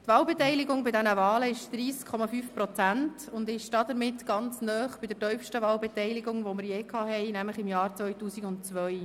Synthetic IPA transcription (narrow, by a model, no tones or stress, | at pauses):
tvɑːlbɛtɛɪlɪɡʊŋbɪdɛnəvɑːləɪʃd̪̥riːskʰɔmɑfyːfpɾɔt͡sæntʊndɪʃd̥ɑdəɾmɪtɡ̥ɑnt͡snœːχb̥iɪdətœɥfʃtəvɑːlbɛtɛɪlɪɡʊŋʋomɪɾjeːkʰɑːhɛɪnæmləχɪmjɑːɾt͡sʋœjtuːsiɡʊntt͡sʋœʏ